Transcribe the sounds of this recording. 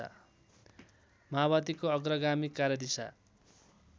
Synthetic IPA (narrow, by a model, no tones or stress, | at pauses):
a̰ | maβat̪ikoʌɡrʌɡamikːaɾjʌd̪isa̰